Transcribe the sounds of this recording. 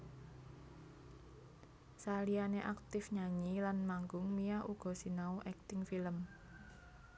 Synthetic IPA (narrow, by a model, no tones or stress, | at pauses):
salianeʔak̚t̪ɪfɲaɲilanmaŋɡʊŋmijaʔuɡ̥ɔ̤sinauʔɛk̚t̪ɪŋfiləm